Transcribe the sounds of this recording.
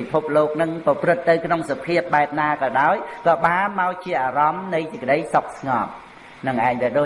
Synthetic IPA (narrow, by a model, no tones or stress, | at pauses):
ipʰop̚loːk̚nɨŋpɑprɨt̪ːɨwkʰnoŋsopʰiəp̚ɓaɛp̚naːkɑːɗaɔjkɑːɓaːnmaɔwt͡ɕiəʔaːrɑmnɨjsɨkə̆ɗəjsok̚sŋɑp̚ | nɨŋʔaɛɲʋiəɗoː